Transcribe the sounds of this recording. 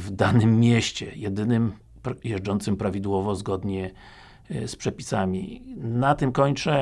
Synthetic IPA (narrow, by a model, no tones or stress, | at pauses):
vd̪anɘmːʲjɛɕt͡ɕɛjɛd̪ɘnɘm | pɾjɛʐd͡ʐɔnt̪sɘmpɾavʲid̪wɔvɔzɡɔd̪ɲɛ | spʂɛpʲi̥samʲḭnat̪ɘmkɔɲt͡ʂɛ